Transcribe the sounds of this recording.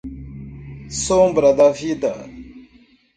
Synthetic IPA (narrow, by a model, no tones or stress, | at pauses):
soːmbɾɐd̪afit̪a